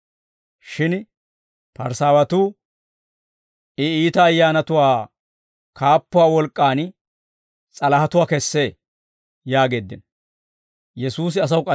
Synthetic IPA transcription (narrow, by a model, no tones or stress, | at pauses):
ʃɪn | pɐɾsaːwɐt̪uː | ɪiːt̪ɐːjːaːnɐt̪ʊwaː | kʰaːpːʊwaːwɔlkʼːaːn | t͡sʼɐlɐhɐt̪ʊwaːkɛsːe̞ː | jaːɡe̞ːd̪ːɪn | jɛsuːs̬ɪɐs̬ɐwʊkʼɐ